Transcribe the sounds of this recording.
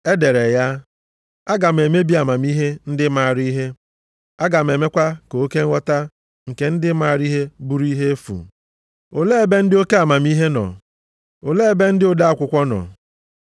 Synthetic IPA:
e˦de˨ɾe˨ja˦ | a˦ɡa˨m̩˨e˨me˦bi˦a˨ma˨mi˦ɦe˦n̩˦dɪ˦ma˨ɾi˦ɦe˦ | a˦ɡa˨m̩˨e˨me˦kʷa˦ko˨o˦ke˦ŋ̩ʷ˦ɔ˦ta˦ | ŋ̩˨ke˨n̩˦dɪ˦ma˨ɾi˦ɦe˦bu˦ɾi˦ɦe˦e˦fṵ˨ | o˨le˦e˨be˦n̩˦dɪ˦o˦ke˦a˨ma˨mi˦ɦe˦nɔ̰˨ | o˨le˦e˨be˦n̩˦dɪ˦o˦da˦a˦kʷʊ˨kʷɔ˦nɔ̰˨

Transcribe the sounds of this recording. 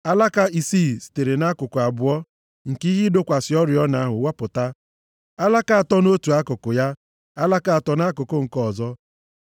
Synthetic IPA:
a˦la˦ka˦i˨siː˦˨si̥˨te˨ɾe˨na˦kʊ˨kʊ˨a˨bʊ˨ɔ˦ | ŋ̩˨ki˦ɦɪ˦do˦kʷa˨sɪ˨ɔ˦ɾjɔ˦na˨a˦ɦʊ˨wa˦pʊ˨ta˦ | a˦la˦ka˦˨a˨tɔ˦no˦tu˨a˦kʊ˨kʊ˨ja˦ | a˦la˦ka˦˨a˨tɔ˦n˦a˦kʊ˨kʊ˦ŋ̩˨kɔ˦˨zɔ˦

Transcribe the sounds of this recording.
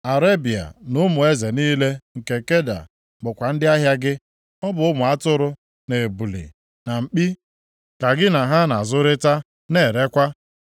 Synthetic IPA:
a˨ɾe˦bi˨a̰˨nʊ˦mʊ˨e˦ze˨niː˦le˦ŋ̩˨ke˨ke˦da̰˨ | ɡ͡bʊ˨kʷa˨n̩˦dɪ˦a˦ɦja˦ɡɪ˦ | ɔ˦bʊ˨ʊ˦mʊ˨a˦tʊ˦ɾʊ˦ | ne˨e˨bu˨lḭ˨ | na˨ŋ͡m̩˨k͡pi˦ | ka˨ɡɪ˦na˨ɦa˦na˨zʊ˦ɾɪ˦ta˦ | ne˦˨ɾe˦kʷa˦

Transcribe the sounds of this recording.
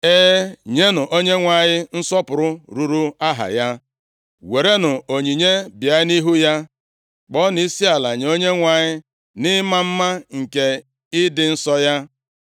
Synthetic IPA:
e˦ɲe˦nʊ˨ʔo˦ɲe˦ŋʷa˨ɲɪ˦n̩˦sɔ˦pʊ˨ɾʊ˦ɾu˨ɾu˦a˦ɦa̰˨ja˦ | we˨ɾe˦nʊ˨o˨ɲi˨ɲe˦bja˨˦ɪ˦ni˦ɦu˦ja˦ | k͡pɔ˦ni˦si˦a˨la˨ɲ˨o˦ɲe˦ŋʷa˨ɲɪ˦ | nɪ˦ma˦m̩˦ma˦ŋ̩˨ke˨ | ɪ˦dɪ˨n̩˦sɔ˦ja˦

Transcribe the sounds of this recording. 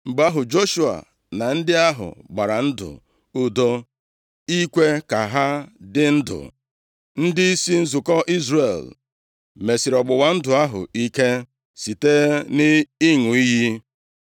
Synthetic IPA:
ŋ͡m̩˨ɡ͡ba˦ɦʊ˨d͡ʒo˦ʃu˦a̰˨ | na˨n̩˦dɪ˦a˦ɦʊ̰˨ɡ͡ba˨ɾa˨n̩˦dʊ̰˨ | u˦do˦ | i˦kʷe˦ka˨ɦa˦dɪ˦n̩˦dʊ̰˨ | n̩˦dɪ˦i˦si˦n̩˦zʊ˨kɔ˦ʔi˦zɾe˨l | me˨si˨ɾɔ˨ɡ͡bʊ˨wa˦n̩˦dʊ˨a˦ɦʊ̰˨i˦ke˦ | si˨te˦nɪ˦i˦ŋʊ˨i˦ɦi˦

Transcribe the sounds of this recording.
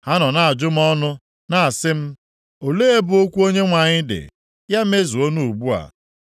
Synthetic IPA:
ha˦nɔ˨na˨a˨d͡ʒʊ˦m̩˦ɔ˦nʊ˦ | na˨a˨sɪ˦m̩˦ | o˨leː˦e˦bʊ˨o˦kʷu˦o˦ɲe˦ŋʷa˨ɲɪ˦dɪ̰˨ | ja˦m̩˦e˦zu˨o˦nu˦˨u˨bu˦a̰˨

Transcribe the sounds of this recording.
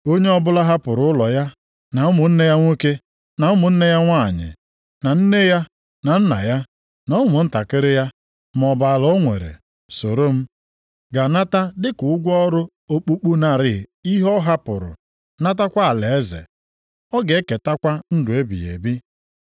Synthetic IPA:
o˦ɲe˦ɔ˦bʊ˦la˦ɦa˦pʊ˨ɾʊ˨˦ʊ˦lɔ˨ja˦ | na˨ʊ˦mʊ˨n̩˦ne˦ja˦ŋʷo˦ke˦ | na˨ʊ˦mʊ˨n̩˦ne˦ja˦ŋʷa˦˨ɲɪ̰˨ | na˨n̩˦ne˦ja˦ | na˨n̩˦na̰˨ja˦ | na˨˦ʊ˦mʊ˨n̩˦ta˨ke˦ɾɪ˦ja˦ | m˨ɔ˨ba˨lɔ˦ŋʷḛ˨ɾḛ˨ | so˨ɾo˦m̩˦ | ɡa˨na˦ta˦dɪ˦kʊ˨ʊ˦ɡʷɔ˦ɔ˦ɾʊ˦ | o˦k͡pu˦k͡pu˦na˦˨ɾɪ˦˨i˦ɦɔ˦ɦa˦pʊ̰˨ɾʊ̰˨ | na˦ta˦kʷa˦a˨le˨e˦zḛ˨ | ɔ˦ɡe˨˦ke˨ta˦kʷa˦n̩˦dʊ˨e˦bḭ˨jḛ˨bi˦

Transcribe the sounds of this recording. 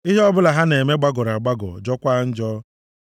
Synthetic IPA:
i˦ɦe˦ɔ˦bʊ˦la˨ɦa˦ne˨me˦ɡ͡ba˦ɡɔ˨ɾa˨ɡ͡ba˦ɡɔ̰˨d͡ʒɔ˦kʷa˦n̩˦d͡ʒɔː˦

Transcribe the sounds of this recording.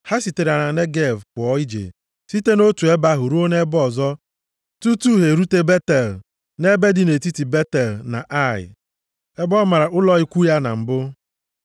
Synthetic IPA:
ha˦si˨te˨ɾa˨na˨ne˦ɡe˦˨vkʊ˨ɔ˦i˦d͡ʒḛ˨ | si˦te˦no˦tu˨e˦ba˦ɦʊ˨ɾu˦o˦ne˦bɔ˦˨zɔ˦ | tu˦tu˦ɦe˨ɾu˦te˦be˦te˨l | ne˦be˦dɪ˦ne˨ti˦ti˨be˦te˨lna̰˨ʔa˦˨ɪ̰˨ | e˦bɔ˦ma˨ɾa˨ʔʊ˦lɔ˦ɪ˦kʷu˦ja˦na̰˨m̩˨bʊ˦

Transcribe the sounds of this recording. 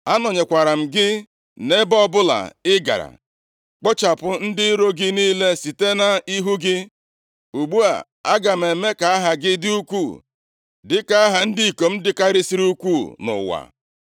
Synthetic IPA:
a˦nɔ˨ɲe˨kʷa˨ɾa˨m̩˨ɡɪ˦ | ne˦bɔ˦bʊ˦la̰˨ɪ˦ɡa̰˨ɾa̰˨ | k͡pɔ˦t͡ʃa˨pʊ˨n̩˦dɪ˦ɾo˦ɡɪ˦niː˦le˦si˨te˦na˨i˦ɦu˦ɡɪ˦ | u˨ɡ͡bu˦a̰˨ | a˦ɡa˨m̩˨e˨me˦ka˨a˦ɦa˨ɡɪ˦dɪ˦u˦kʷu˦˨ | dɪ˦ka˦a˦ɦa˨n̩˦di˦i˨ko˨m̩˦dɪ˦ka˦ɾɪ˦si˦ɾi˦u˦kʷu˦˨nʊ̰˨wa̰˨

